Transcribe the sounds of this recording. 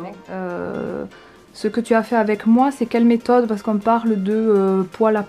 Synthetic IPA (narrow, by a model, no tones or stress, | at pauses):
ø̰ | səkət̪yafɛʁavɛkmwasɛkʲɛlmet̪ɔd̪paʁsə̥kɔ̃paʁld̪əøpwalap